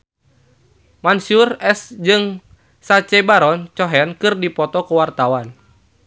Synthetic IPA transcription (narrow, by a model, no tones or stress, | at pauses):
mansurɛsd͡ʒɨŋ | sat͡ʃɛbaɾɔnt͡ʃɔɦɛnkɨrdipɔt̪ɔkuwart̪awan